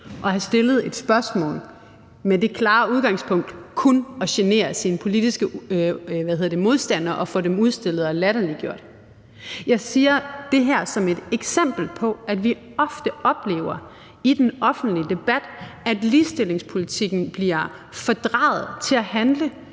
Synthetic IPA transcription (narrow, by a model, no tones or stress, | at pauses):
ʔɒ̽hæsd̥e̝ləð̞̩ˠe̝d̥sb̥ɶɐsmɔ̰̽ːl | mede̝kʰlɑ̈ːuðˠɡ̥ɑ̈ŋspʰɔ̽ŋ̰d̥kʰunɒ̽ɕene̝̰ːɐsinəpʰo̝lid̥isɡ̥ə | ʋæðhe̝ðˠɐd̥emo̝ð̞ˠsd̥æn̰ɐʔɒ̽fɔ̰demuð̞ˠsd̥e̝l̰ð̩ˠɒlæɾ̥ɐliɡ̥jo̝ɐ̰d̥ | jɑ̈ɪsiːɐd̥e̝ɦæɐ̰sɒ̽me̝d̥eɡ̥sem̰b̥l̩pʰɒ̽æd̥ʋi | ɒ̽fd̥əɒ̽b̥le̝̰ːʊɐ | id̥enɒ̽fn̩d̥lid̥e̝b̥æd̥æd̥liːsd̥e̝le̝ŋspʰo̝lit͡sʰiɡ̥n̩b̥liɐ | fɒ̽d̥ʁɑ̈ːð̞̩ˠt͡sʰe̝æhænlə